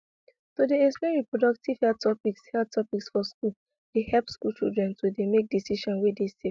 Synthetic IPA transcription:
sodeɛsmɛ̃ɹipɹɔdɔk̚tiv̥hɛtʰɔpikshɛtʰɔpiksfɔskul | d̥ehɛlpskult͡ʃḭldɹɛ̃ntodemek̚disiʃɔ̃nwedesef

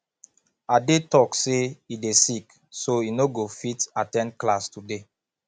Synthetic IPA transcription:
adetɔkseidesik | soinoɡofitatɛ̃ndklastude

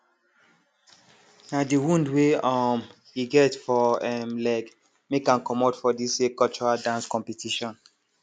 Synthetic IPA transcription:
nadiwũndweɔm | iɡɛtfɔɛmlɛɡ | mekãnkɔmɔdfɔdisekɔlt͡ʃɔɹadãnskɔ̃mpitʰiʃɔ̃n

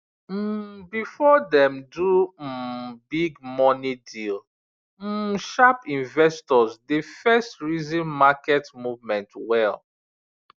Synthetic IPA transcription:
m̩bifɔdɛ̃mdum̩biɡmɔnidil | m̩ʃapĩnvɛstɔzdefɛstɹizĩnmakɛtmuvmɛ̃ntwɛl

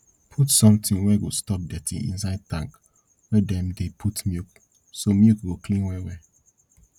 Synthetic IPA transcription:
pʰutsɔ̃mtĩŋwɛɡostɔp̚dɛtḭ̃ŋḭ̃nsaɪd̚tãŋk | wɛdɛ̃mdepʰutmjuk | somjukɡoklĩŋwɛwɛ

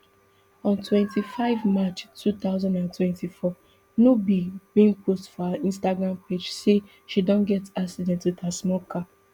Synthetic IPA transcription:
ɔ̃ntʰwɛ̃ntʰifaɪvmat͡ʃtʰuθaʊzãndãntwɛ̃ntifɔ | nobibĩnpʰostfɔhaĩnstaɡɹãmped͡ʒse | ʃidõnɡɛtaksidɛ̃ntwiðhasmɔkʰa

